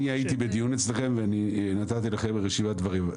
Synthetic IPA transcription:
niajit̪ibed̪ijunet͡sleχe̞mveaninat̪at̪ilaχembeʁeʃivadvaʁim

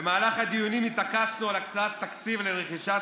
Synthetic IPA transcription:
emaːlaχad̪ijunimit̪akaʃnulakt͡sat̪ːakt͡sivleʁeχiʃa

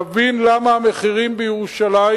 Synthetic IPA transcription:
vinlamaame̞χiʁimbejeʁuʃala

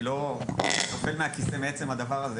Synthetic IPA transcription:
lo̞nofe̞lmeakisemeet͡se̞mhad̪avaʁaze

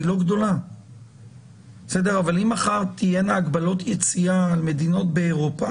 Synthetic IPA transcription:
ilo̞ɡdo̞la | sede̞ʁavalimaχaʁt̪ije̞naːɡbalo̞t̪ʰjet͡siaːlme̞d̪ino̞tbeːʁopa

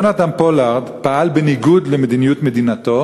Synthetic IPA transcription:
nad̪ampolaʁd̪paʔalbeniɡud̪lemed̪inijut̪med̪inat̪o̞

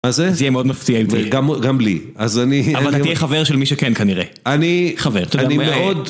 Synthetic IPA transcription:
mazezijɛmeod̪maftiajovtɡamɡamli | azaniavalijɛχaveʁʃelmiʃekɛnkaniʁe | aniχaveʁt̪odaanimmeo̞d̪

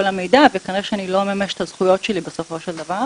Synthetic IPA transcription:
olame̞jd̪avejekaneʃɛanilo̞memeʃe̥t̪azχujo̞tʃelibeso̞fo̞ʃeld̪avaʁ

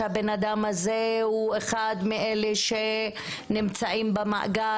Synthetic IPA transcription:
abenad̪amazehueχad̪miʔeleʃe | nimt͡saimbema̰ʔa̰ɡa

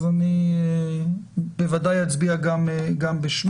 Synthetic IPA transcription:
zani | bevad̪ajat͡sbiaɡamɡambeʃm

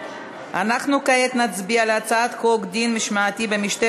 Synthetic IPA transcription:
ʔanaχnukaet̪nat͡sbialeat͡saat̪koɡd̪inmiʃmaːt̪ibemiʃt̪e

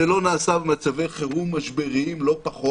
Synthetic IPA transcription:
elo̞naːsabemat͡savejχeʁumːaʃbeʁiimlo̞paχo

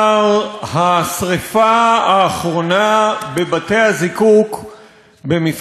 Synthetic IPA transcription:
ʁhasʁefaaːχʁo̞nabe̞bate̞jhazikuk | bemif

